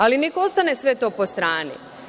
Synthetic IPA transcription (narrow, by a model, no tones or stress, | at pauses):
alinekoost̪anesʋe̞t̪o̞ːpo̞st̪ɾaːnḭ